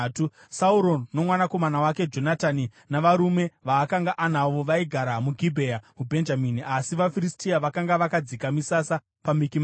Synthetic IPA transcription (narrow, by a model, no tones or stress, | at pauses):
tu | sauɾo̞no̞mwanako̞manawake̞d͡ʒo̞natani | naʋaɾume̞ʋaːkaŋɡaʔanaʋo̞ʋaiɡʱaɾamuɡʱibʱejamubʱe̞nd͡ʒaminiasiʋafiristiaʋakaŋɡaʋakad͡zikamisasa | pamikim